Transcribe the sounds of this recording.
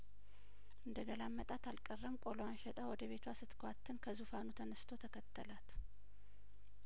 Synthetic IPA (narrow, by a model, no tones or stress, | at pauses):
ʔɨnd̪əɡəlamːət̪ʼat̪ʰalkʼərːəmkʼoloanʃɛt̪ʼawɔd̪əβe̞t̪ʰwasɨt̪kʰʷat̪ʰːɨnkʰəzufanut̪ʰənəst̪ʰo̞t̪ʰəkʰət̪ʰːəlat̪